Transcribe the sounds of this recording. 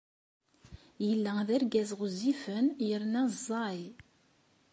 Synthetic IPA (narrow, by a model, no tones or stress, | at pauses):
jəlːæðæɾɡæzʁʊzːifənjəɾnæzˤːɑj